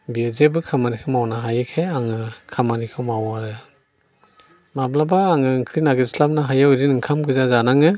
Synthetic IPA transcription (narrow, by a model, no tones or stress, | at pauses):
biezebɯkʰamanikʰɯmawnaɦajɯkʰeaŋɯkʰamanikʰɯmawaɾɯ | mablabaːŋɯŋkʰɾinaɡɯɾslap̚naɦajawɾinɯŋkʰamɡʰɯzazanaŋɯ